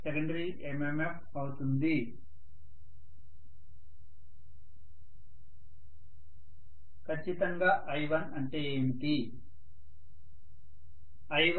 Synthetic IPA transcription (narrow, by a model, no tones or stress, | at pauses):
sekɐɳɖɐɾiːʔememepʰ | ɐwut̪und̪i | kʰɐt͡ʃːit̪ɐŋɡaːʔɐjʋɐnɐɳʈeːmiʈi | ɐjʋ